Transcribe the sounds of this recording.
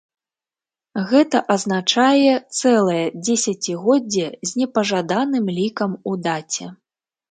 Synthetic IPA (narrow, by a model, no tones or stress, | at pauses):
ɣɛt̪ɐʔɐznat͡ʂajɛt̪sɛlˠɐjɛd͡zʲɛsʲɐt͡sʲiɣɔd͡zʲːɛzʲnʲɛpɐʐad̪anɨmlʲikɐmud̪at͡sʲɛ